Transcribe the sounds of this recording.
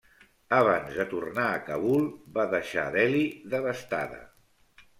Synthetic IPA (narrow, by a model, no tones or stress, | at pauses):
əβanzðət̪urnaːkəβulˠbaðəʃa̰ðɛliðəβəst̪aðə̰